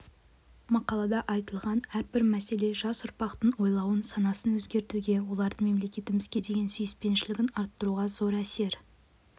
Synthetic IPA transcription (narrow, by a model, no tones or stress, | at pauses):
mɑqɑlˠɑd̪ɑʔɑjt̪əlˠʁɑnæɾbɪɾmæse̞le̞ʒɑsʊɾpɑqt̪əɴwo̞jlˠɑwənsɑnɑsənwɵzɡʲe̞ɾt̪uɡʲe̞wo̞lˠɑɾd̪əme̞mle̞kʲe̞t̪ɪmɪzɡʲe̞d̪e̞ɡʲe̞nsʏjɪspe̞nʃɪlɪɡʲɪnɑɾt̪ːəɾuʁɑzo̞ɾæse̞ɾ